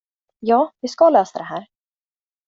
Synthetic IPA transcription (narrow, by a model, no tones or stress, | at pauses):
jaːviskalœːsaðɛɦæːɾ̥